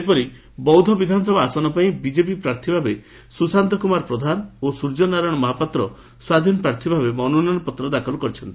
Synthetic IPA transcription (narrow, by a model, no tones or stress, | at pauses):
epɔɾi | bɔwd̪ʱɔbid̪ʱanɔsɔbʱaːsɔnɔpaĩbid͡ʒep̬ipɾaɾt̪ʰibʱabe | susant̪ɔkumaɾpɾɔd̪ʱanosuɾd͡ʒɔnaɾɔɽ̃ɔmɔɦapɔt̪ɾɔ | swad̪ʱinɔpɾaɾt̪ʰibʱabemɔnunañɔpɔt̪ɾɔd̪akʰɔlɔkɔɾit͡ʃʰɔnt̪ii̥